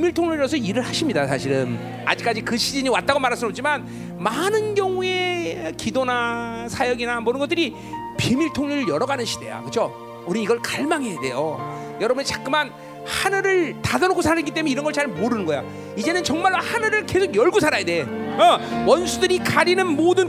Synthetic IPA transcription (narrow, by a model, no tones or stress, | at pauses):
miɭtʰoŋɲuɾɾʌs̬ʰʌiɾɯɭhaɕʰimɲidasʰaɕʰiɾɯn | a̰d͡ʑik͈ad͡ʑikɯɕʰid͡ʑiɲiwat̚t͈aɡomaɾɦaɭs̬͈ʰɯnop̚t͡ɕ͈ʰiman | manɯnɡjʌŋue̞kidonasʰajʌɡinamodɯnɡʌt͈ɯɾi | pimiɭtʰoŋɲiɾɯɭjʌɾʌɡanɯnɕʰi̥d̥e̞̰ja̰kɯt͡ɕʰo | uɾiiɡʌɭkaɭmaŋejade̞̰jo̰ | jʌɾʌbunet͡ɕḁk͈ɯman | hanɯɾɯɭtadʌnoɡosʰaɾaɾeɡit͈emuneiɾʌnɡʌɭt͡ɕaɭmoɾɯnɯnɡʌjo | id͡ʑe̞nɯnt͡ɕʌŋmaɭːohanɯɾɯɭkesʰoɡjʌɭɡusʰaɾajade̞ʌwʌnsʰudɯɾikaɾinɯnmodɯn